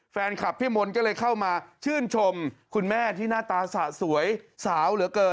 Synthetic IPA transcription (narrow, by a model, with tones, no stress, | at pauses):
fɛː˧nkʰa˨˩p̚ʰːiː˥˩mo˧nkɔː˥˩lɤː˧jkʰa˥˩wmaː˧t͡ɕʰɯː˥˩nt͡ɕʰo˧mkʰu˧nmɛː˥˩t̪ʰiː˥˩naː˥˩t̪aː˧sa˨˩su˩˦əjsaː˩˦wlɯ˩˦ɐkɤː˧